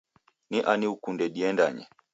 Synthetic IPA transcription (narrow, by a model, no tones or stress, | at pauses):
niʔaniukundɛɗiɛnda̰ɲɛ̰